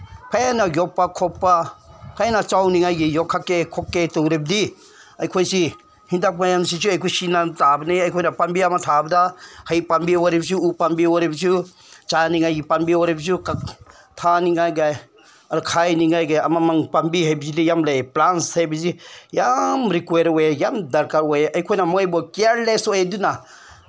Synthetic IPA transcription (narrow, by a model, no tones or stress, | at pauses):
pʰajanaɡjɔpːakʰɔpːapʰajanat͡ʃawniŋajɡijɔkʰːakːekʰɔkːetɔŋɾeb̚di | ajkʰɔjsi | hindak̚majamsizuajkʰusinatabɐnijajkʰɔjnapambiamatʰabɐdahajpambiwaɾeb̚zuupambiwaɾebzu | t͡ʃaniŋajɡipambiwɔɾebs̬ukak | t̪ʰaniŋajɡaj | ɐɾkʰajniŋajɡajamamaŋpambiɦajbizidijamleplansajbizijamɾikweɾwejamdɐɾkaɾwejʔɐjkʰojnamɔjbɔkiaɾlesoeduna